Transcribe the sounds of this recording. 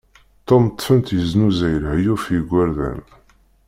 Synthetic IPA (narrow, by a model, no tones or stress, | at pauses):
t̪ːomt̪ˤːfənt̪jəznuzæjlhjufjəɡʷːæɾðæ̰n